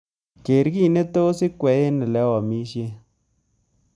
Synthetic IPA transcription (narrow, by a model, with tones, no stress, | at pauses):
ke˨ɾki˦˨ne˦to˦si˦kwɛ˨˦je˦nɪ˨lɛ˨˦wɔ˨mi˦ʃje˦